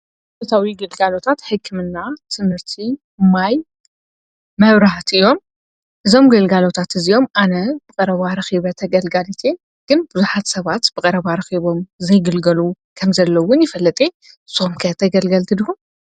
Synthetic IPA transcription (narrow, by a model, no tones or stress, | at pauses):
fɐt̪ʰawiɡɐlɡalo̞t̪ʰat̪ħɨkʰːɨmɨnːat̪ʰɨmɨɾt̪ʰi | maj | mɐβɾaht̪ɨjo̞m | ʔɨzo̞mɡɐlɡalo̞t̪ʰat̪ɨzijo̞mʔanɐb̥ɨkʼɐɾɐβaɾɐxiβɐt̪ʰɐɡɐlɡalit̪ʰe | ɡ̥ɨnbɨzuħat̪sɐβat̪b̥ɨkʼɐɾɐβaɾɐxiβo̞mzɐjɡɨlɡɐlu | kʰɐmzɐlːɐwʊnjɪfɐlːɐt̪ʼe | somkʰɐt̪ʰɐɡɐlɡɐlt̪ʰɨd̪ihum